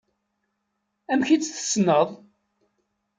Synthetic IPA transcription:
æmçit͡sːθə̥snəðˤ

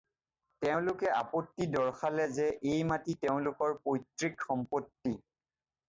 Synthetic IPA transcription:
tɛʊ̃lʊkɛa̰potːidɔɹxalɛzɛʔejmatitɛʊ̃lʊkɔɹpojtɹikxɔmpotːi

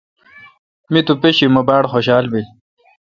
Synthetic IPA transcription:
mit̪upeɕimɐbaːɽxoɕaːlbi

